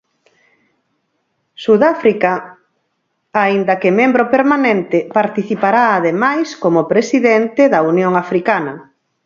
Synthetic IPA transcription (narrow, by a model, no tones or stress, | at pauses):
suðafɾika | aind̪ɐkemembɾopeɾmanẽnt̪ɪpaɾt̪iθipaɾaːðemajskomopɾesiðent̪eðɐunjoŋafɾikanɐ